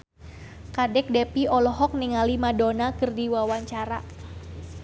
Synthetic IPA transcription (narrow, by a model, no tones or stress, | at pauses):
kadɛk̚dɛpiɔlɔɦɔk̚nɪŋalimadonakɨrdiwawaɲt͡ʃaɾa